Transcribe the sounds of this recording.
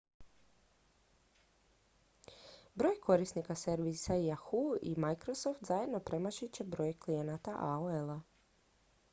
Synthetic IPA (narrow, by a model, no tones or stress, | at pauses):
bɾo̞ːjkʰo̞ɾisnikaseɾʋisaijaxuḭmajkɾosoft̪zaje̞d̪no̞pɾe̞maʃit͡ɕe̞bɾoːjklijenat̪aʔaoela